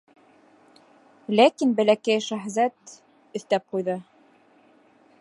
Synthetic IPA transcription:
lækinbæ̆lækæjʃæɦzæt̪ | ɵ̆θt̪æp̚qujðɤ

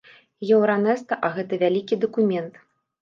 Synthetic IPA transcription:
jɛwɾanɛst̪ɐʔɐɣɛt̪ɐvʲalʲikʲid̪ɐkumʲɛnt̪

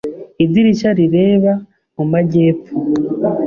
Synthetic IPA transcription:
idiɾiʃaɾiɾe̞ːβa | mumaɟe̞ːpu

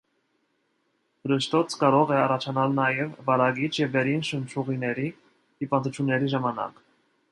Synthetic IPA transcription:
ɾəʃt̪ɔt͡sʰkɑɾɔʁɛɑrɑt͡ʃʰɑnɑlnɑjɛvːɑɾɑɡit͡ʃʰjɛvːɛɾinʃənt͡ʃʰuʁinɛɾi | d̪̥ipɑnt̪ut͡ʃʰjunːɛɾiʒɑmɑnɑ̰k

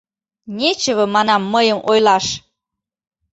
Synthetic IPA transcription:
nʲet͡ɕəβə̆mɑnɑmːəjəmʔojlɑʃ

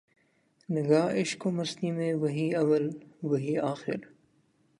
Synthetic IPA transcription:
nɪɡaːʔɪʃkomɐst̪imẽʋɐɦiɐʋɐlʋɐɦiːaːxɪ̰ɾ

